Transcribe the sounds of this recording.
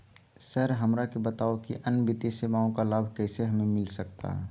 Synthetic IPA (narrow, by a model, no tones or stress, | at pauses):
səɾɦəmɾakebət̪aːokiʔənbɪt̪isemaːõkalaːbʱkɛːseɦəmemɪlsək̚t̪a̰ɦɛ̰